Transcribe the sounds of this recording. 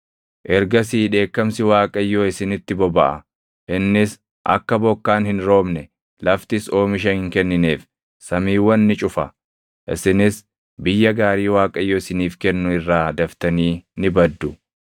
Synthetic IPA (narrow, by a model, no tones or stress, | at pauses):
ʔɛɾɡɐs̬iːᶑe̞ːkːɐmsɪwaːkʼɐjːoːɪsɪnɪt̪ːɪbɔbɐʔɐ̰ | ʔɪnːɪs | ʔɐ̰kːɐbɔkːaːnhɪnɾo̞ːmnɛ | lɐft̪ɪso̞ːmɪʃ̬ɐhɪŋkɛnːɪneːf | sɐmiːwːɐnːɪt͡ʃʼʊfɐ̰ | ʔɪ̰sɪnɪs | bɪjːɐɡaːɾiːwaːkʼɐjːoːɪsɪniːfkɛnːʊɪrːaːd̪ɐft̪ɐniːnɪbɐd̪ːʊ